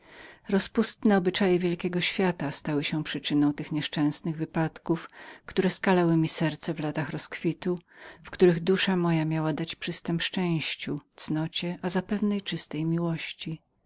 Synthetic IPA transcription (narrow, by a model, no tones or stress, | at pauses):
ɾɔspust̪nɛɔbɘt͡ʂajɛvʲjɛlkʲɛɡɔɕfʲjat̪ast̪awɘɕɛpʂɘt͡ʂɘnɔ̃w̃t̪ɘxɲɛʂt͡ʂɛ̃w̃snɘɣvɘpat̪kufkt̪uɾɛskalɛwɘmʲisɛɾt̪sɛvlat̪axɾɔskfʲit̪ufkt̪uɾɘɣd̪uʂamɔjamʲjawad̪at͡ɕpʂɘst̪ɛmʂt͡ʂɛ̃w̃ɕt͡ɕut̪snɔt͡ɕɛʔazapɛvnɛjt͡ʂɘst̪ɛjmʲiwɔɕt͡ɕi